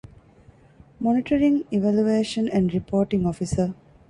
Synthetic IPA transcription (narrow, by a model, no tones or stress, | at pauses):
mɔniʈəɾĩŋiʋæljueːʃə̃næ̃ɳɖɾipʰoːʈĩŋɔfisə